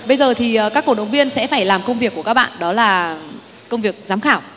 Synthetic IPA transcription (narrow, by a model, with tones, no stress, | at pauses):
ɓə˧jzəː˨˩t̪ʰi˨˩˨kaː˦˥kːo˧˩ɗə˨wŋ͡mvi˧ənsɛ̰˧˥faː˧˩jlaː˨˩mkə˧wŋ͡mvi˨˩əkːkaː˦˥ɓa̰ː˧˨nɗɔ˨˦laː˨˩ | kə˧wŋ͡mvi˨˩ək̚zaː˨˦mxaː˧˩w